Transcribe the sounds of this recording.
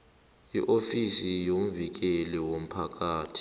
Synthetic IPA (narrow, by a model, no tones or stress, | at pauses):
iʔofisijom̩vik̬ɛliwom̩pʰak̬ʼaːtʰi̥